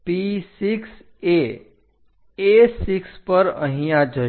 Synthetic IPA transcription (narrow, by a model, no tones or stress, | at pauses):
pisiks | e | esikspəɾə̰ɦĩjad͡ʒə